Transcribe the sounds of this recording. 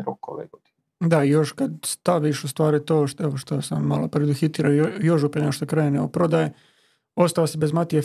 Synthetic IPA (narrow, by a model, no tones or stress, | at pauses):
ɾoko̰ʋḛɡod̪in | d̪aijo̞ʃkad̪st̪aʋiʃust̪ʋaːɾit̪oːʃeʋoʃt̪osamːalopɾed̪uxit̪iːɾaojo̞ʃ̬upeeoʃt̪okɾeneopɾod̪aje | ost̪aʋasebezmat̪ie